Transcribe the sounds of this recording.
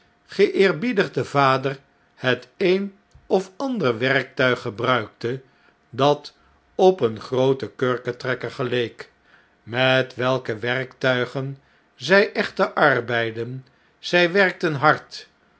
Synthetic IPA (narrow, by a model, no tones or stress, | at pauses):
χəʔɪːɹbidəχdəvaːdər | hətejn | ɔfɑndərʋɛɹk̚tœɥχːəbrœɥk̚tə | dɑt | ɔpənχrowtəkøːɹkətrɛkəɹχəlejk | mɛtʋɛlˠkəʋɛrktœɥχən | zɛjʔɛχtəʔɑrbɛjdən | z̥ɛjʋɛrk̚tənɦɑɹt